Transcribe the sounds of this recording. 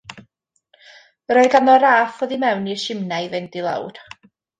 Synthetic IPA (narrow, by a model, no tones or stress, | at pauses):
ɾoɨdanɔɾaːfɔðimɛwniʃɪmnajvɪndilˠa̰wd̥